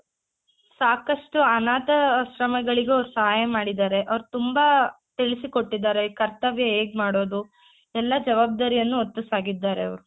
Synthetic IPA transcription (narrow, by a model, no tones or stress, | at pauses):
saːkɐʂʈuɐnaːt̪ɐʃɾɐmɐɡɐɭiɡeɐʋɾusɐɦaːjɐmaːɽid̪aːɾe̞ʔɐʋɐɾut̪umba | t̪iɭisiko̞ʈːid̪ːaːɾekɐɾt̪ɐʋjɐeːɡmaːɽo̞ːd̪u | ɛlːɐd͡ʒɐʋaːb̚d̪aːɾijɐnːuot̪ːusaːɡid̪ːaːɾeɐʋɾu